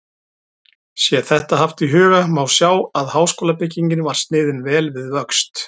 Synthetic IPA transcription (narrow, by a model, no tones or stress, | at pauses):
sjɛθɛht̪aɦaft̪iɦʏːɣamawsjaːwaðhaːwskoːlapɪcːiɲcɪnvaɾ̥st̪nɪːðɪnvɛːlvɪðvœkst̪